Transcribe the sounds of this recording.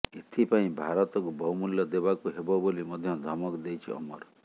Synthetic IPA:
et̪ʰipaĩbʱaɾɔt̪ɔkubʱɔwmuljɔd̪ebakuɦebɔbolimɔd̪ʱjɔ̃d̪ʱɔmɔkd̪ejt͡ʃʰḭɔ̰mɔ̰ɾ

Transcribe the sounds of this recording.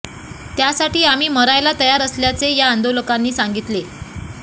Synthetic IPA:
t̪jasaʈiːam̤iːməɾajlat̪əjaɾəsljat͡sejaːnd̪oləkanːiːsaŋɡit̪le

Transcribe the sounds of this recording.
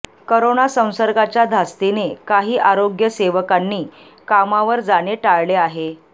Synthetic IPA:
koɾonasə̃w̃səɾɡat͡ɕjad̪ʱast̪inekaɦiːʔaɾoɡjəseʋəkanːiː | kamaʋəɾd͡zaɽeʈaɭleaɦe

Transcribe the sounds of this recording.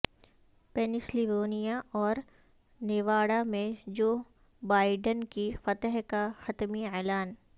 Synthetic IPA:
pɛnɪsliʋoːnijaʔɔːɾ | neːʋaːɽamẽd͡ʒoː | baːɪɖənkifɐt̪əɦkaxɐt̪miɛːlaːn

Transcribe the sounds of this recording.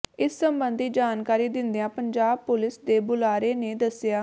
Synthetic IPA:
ɪsːəmbənd̪iːd͡ʒaːnkaːɾiːd̪ɪnd̪ejãːpəɲd͡ʒaːb̚pʊlɪsd̪eːbʊlaːɾeːneːd̪əsːjaː

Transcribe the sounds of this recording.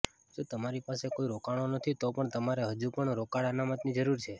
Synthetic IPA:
d͡ʒot̪əmaɾipasekoiɾokaɽ̃onət̪ʰit̪opəɳt̪əmaɾeɦəd͡ʒupəɳɾokaɽanamət̪nid͡ʒəɾuɾt͡ʃʰe

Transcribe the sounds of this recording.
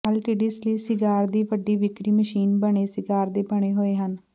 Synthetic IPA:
əlʈiɖiːsliːsɪɡaːɾd̪iːʋəɖiːʋɪkɾiːməʃiːnbəɽ̃eːsɪɡaːɾd̪eːbəɽ̃eːɦoːeːɦən

